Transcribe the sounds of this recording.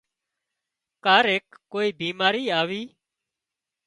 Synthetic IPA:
kaːɾeːkːoːiːbiːmaːɾiːaːʋiː

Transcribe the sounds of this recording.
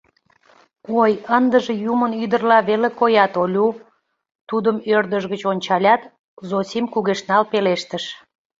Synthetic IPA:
ojənd̪əʒejumənyd̪ərlɑβelekojɑt̪olʲu | t̪ud̪əmørd̪əʒɣət͡ɕonʲt͡ɕɑlʲɑt̪ | zosimkuɣeʃnɑlpeleʃt̪əʃ

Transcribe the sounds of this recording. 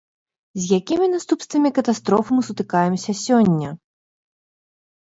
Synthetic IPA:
zʲjakʲimʲinast̪upst̪vɐmʲikɐt̪ast̪ɾɔfɨmɨsut̪ɨkajɛmsʲɐsʲɔnʲːɐ

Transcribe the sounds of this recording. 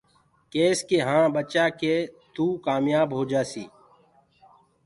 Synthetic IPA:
keːskeːɦãːbət͡ʃaːkeːt̪uːkaːmjaːbɦoːd͡ʒaːsḭː

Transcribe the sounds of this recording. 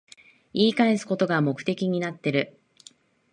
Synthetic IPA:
iːkaesɨ̥ko̞t̪o̞ɡamo̞kɯ̟̥t̪e̞kʲiɲ̟inat̪ːe̞ɾɯ̟

